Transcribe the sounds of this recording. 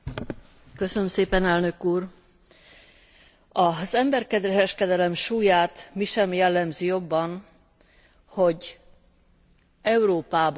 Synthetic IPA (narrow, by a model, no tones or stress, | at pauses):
køsønømseːpɛnɛlnø̞kuːr | ɒz̥ɛmbɛrkɛd̪rɛɾɛʃkɛd̪ɛlɛmʃuːjaːt̪miʃɛmjɛlːɛmzijo̞bːɒn | ho̞ɟ | ɛuɾoːpaːb